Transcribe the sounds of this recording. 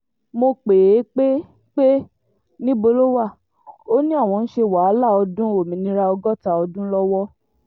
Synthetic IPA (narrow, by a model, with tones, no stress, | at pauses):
mo˧k͡pe˨e˨˦k͡pe˦ | k͡pe˦ | nĩ˦bo˧lo˦wa˦˨ | o˦nĩ˦a˦˨w̃ɔ̃˧n̩˦ʃe˧wa˨˦la˦˨ɔ˧dũ˦o˦˨mĩ˨nĩ˧ɾa˧ɔ˧ɡɔ˦ta˧ɔ˧dũ˦lɔ˦wɔ˦